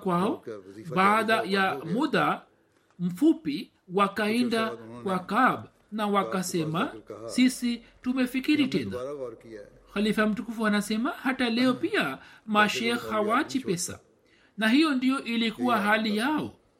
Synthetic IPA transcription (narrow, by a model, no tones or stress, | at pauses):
kwaɔɓaðajamuða | m̩fupi | wakaɛndakwakaɓ | nawakasɛmasisitumɛfikiɾitɛna̰ | xalifam̩tukufuanasɛmahatalɛɔpiamaʃɛxhawat͡ʃipɛsa̰ | nahijɔndijɔʔilikuwaɦalijaɔ